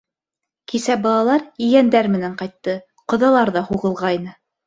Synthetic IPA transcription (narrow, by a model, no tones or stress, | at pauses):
kisæbɑlˠɑlˠɑɾiɡænd̪æɾmɘ̆næɴqɑjt̪ːɤ | qŏðɑlˠɑɾðɑhuʁɤ̆lˠʁɑjnɤ